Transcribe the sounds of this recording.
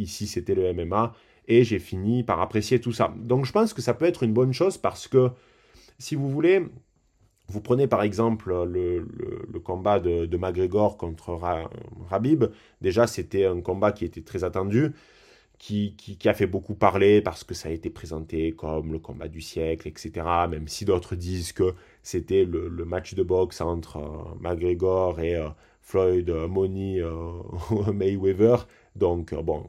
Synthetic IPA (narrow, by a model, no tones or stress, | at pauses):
isiset̪ɛləɛmɛma | eʒefinipaʁapχesjet̪usa̰d̪ɔ̃kʒəpɑ̃skəsapøɛt̪χynbɔnʃozpaʁsə̥kə | sivuvule | vupχənepaʁɛɡzɑ̃pllələ̰ləkɔ̃bad̪əd̪əmaɡʁeɡɔʁkɔ̃t̪χəʁaʁabib | d̪eʒaset̪ɛɛ̃kɔ̃bakʲiet̪ɛt̪χɛzat̪ɑ̃d̪y | kʲʰikʲikʲiafɛbokupaʁlepaʁsə̥kəsaet̪epχezɑ̃t̪ekɔmləkɔ̰̃ba̰d̪ysjɛklɛkset̪eʁamɛmsid̪ɔt̪χəd̪izkə | set̪ɛlələmat͡ʃd̪əbɔksɑ̃t̪χə̰maɡʁeɡɔʁeø | flɔjd̪mɔniø | mɛjwevœʁ | d̪ɔ̃kbɔ̰̃